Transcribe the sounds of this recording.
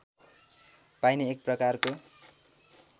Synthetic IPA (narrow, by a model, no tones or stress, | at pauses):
pajneek̚prʌkarko